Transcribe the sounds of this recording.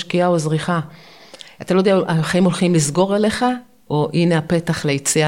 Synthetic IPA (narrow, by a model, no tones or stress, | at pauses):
ʃkiaozʁiχa | at̪alo̞d̪eaaχaimo̞lχimlizɡo̞ʁele̞χa | ʔoʔine̞ape̞t̪aχleit͡sia